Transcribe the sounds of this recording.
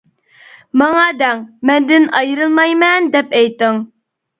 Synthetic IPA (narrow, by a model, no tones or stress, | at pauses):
mɑŋɑd̪ɛŋmɛnd̪ɪnɑjɾɨlˠmɑjmɛnd̪ɛpɛjt̪ːɪŋ